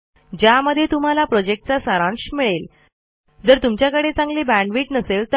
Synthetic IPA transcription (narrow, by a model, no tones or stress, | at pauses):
d͡ʑjaməd̪ʱːjet̪um̤alapɾɔd͡ʑek̚ʈ̚t͡sasaɾãnɕmiɭel | d͡zəɾt̪umt͡ɕjakəɽet͡sãŋɡliːbæ̃ɳɖʋiːʈnəselt̪ə